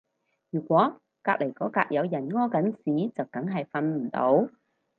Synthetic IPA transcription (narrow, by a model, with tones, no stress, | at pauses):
jyː˨˩kʷwɔː˨˥ | kaː˧k̚le˨˩jkɔː˨˥ka̰ː˧k̚jɐ˨˧wjɐ˨˩nŋɔː˥kɐ˨˥nsiː˨˥t͡sɐ˨wkɐ˨˥ŋɦɐ˨jfɐ˧nm̩˨˩t̪o̰˨˧˥w